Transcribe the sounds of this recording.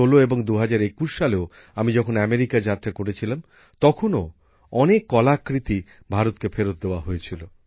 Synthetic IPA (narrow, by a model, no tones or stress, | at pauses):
oloeboŋd̪uɦad͡ʑaɾekusʃaleo | amid͡ʑɔkʰonameɾikad͡ʑat̪ɾakoɽet͡ɕʰilam | t̪ɔkʰono | ɔnekːɔlakːɾit̪i | bʱaɾot̪kefʰeɾot̪̚d̪eoaɦojet͡ɕʰilo